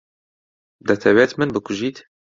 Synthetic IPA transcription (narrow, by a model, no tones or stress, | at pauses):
d̪ɐt̪ʰɛwet̪mɨnbɨkʰʊʒiːt̪